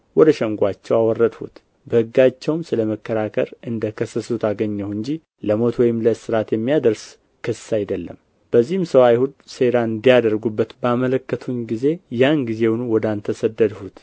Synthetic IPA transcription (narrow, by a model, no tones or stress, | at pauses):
wɔd̪əʃɛŋɡʷat͡ʃːɛwawɔrːəd̪hṵt̪ | bəhɨɡːat͡ʃːɛwmsɨləməkːəɾakʰə̰ɾɨnd̪əkʰəsːəsut̪ʰaɡəɲːəwɨɲd͡ʒi | ləmo̞t̪wɔjɪmləsɨɾat̪jɛmːijad̪əɾs | kʰɨsːajd̪əlːə̰m | b̥əzːihɨmsəwajhud̪se̞ɾaɨnd̪ijad̪əɾɡubːət̪bəamələkːət̪ʰunɡize̞janɡize̞wunuwɔd̪ant̪ʰəsəd̪ːəd̪hut̪